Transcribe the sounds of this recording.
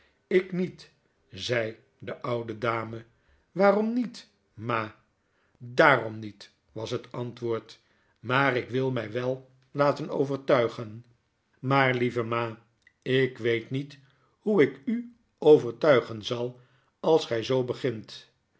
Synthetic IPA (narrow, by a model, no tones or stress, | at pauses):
ɪknit | zɛj | dəʔʌwdədaːmə | ʋaːrɔmnit | maː | daːrɔmnit | ʋɑsɦətɑntʋʊːɹt | maːrɪkʋɪlˠmɛjʋɛlˠ | laːtəno̰wvəɹtœɥχən | maːɹlivəmaː | ɪkʋejtnit | huɪky | owvəɹtœɥχənzɑlˠ | ɑlˠsχɛjzowbəχɪnt